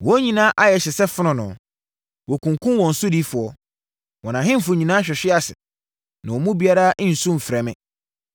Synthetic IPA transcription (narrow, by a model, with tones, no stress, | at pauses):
wɔ˦ɲĩ˨nãː˦ʔa˦jɛ˨ɕɪ˨sɛ˦fʊ˦nʊ̃˨nʊ̰̃˨ | wɔ˨kũ˨ŋkʰʊ̃˦wɔ̃˨n̩˨sʊ˦di˦fʊ˨ɔ˨ | wɔ̃˨nã˨ɦɪ̃˦m̩˦˨fʊ˨ɲĩ˨nãː˦ɕᶣɛ˨ɕᶣɪ˦a˨sɪ̰˨ | nã̰˨wɔ˨mũ˦bi˨˦a˦ɾã˦n̩˨sʊ̃˦m̩˨fɾɛ˨mɪ̰̃˨